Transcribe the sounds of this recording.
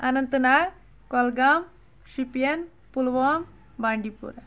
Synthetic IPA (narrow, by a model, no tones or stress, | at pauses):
anɐnt̪əna | kɔlɡam | ʃupijɐn | pulʋɔm | baɳɖipṵɾa